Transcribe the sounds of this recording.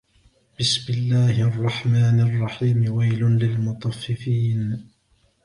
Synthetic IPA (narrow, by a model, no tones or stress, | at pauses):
bɪsmɪlːaːhʔɑrˤːɑħmaːnɑrˤːɑħiːmɪwajlʊnlɪlmʊt̪ˤɑfːɪfiːn